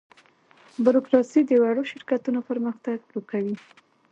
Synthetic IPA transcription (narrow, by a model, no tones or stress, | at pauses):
bʊɾokɾɑsid̪əwaɽoʃɪɾkat̪unopəɾməxt̪aɡlokawi